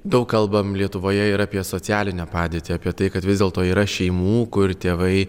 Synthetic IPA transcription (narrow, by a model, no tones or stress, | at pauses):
d̪ɐʊkkɐlˠbɐmlʲiɛt̪ʊʋoːjɛɪɾɑːpʲiɛsoːt͡ssʲæːlʲɪnʲɛːpɑːd̪ʲeːt̪ʲiaːpʲiɛt̪ɐɪkɐt̪ʋʲɪzdʲeːlˠt̪oːiːɾɐʃʲɛɪmuːkʊɾt̪ʲeːʋɐɪ